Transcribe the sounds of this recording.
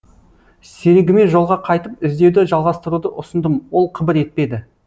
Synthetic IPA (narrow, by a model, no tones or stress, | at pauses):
seɾɡʲɪme̞nʒo̞lˠʁɑqʰɑjt̪əp̚ɪzd̪e̞wd̪ɪʒɑlˠʁɑst̪əɾud̪əʔʊsənd̪əmwo̞lˠqʰəbɪɾe̞t̪̚pe̞d̪ɪ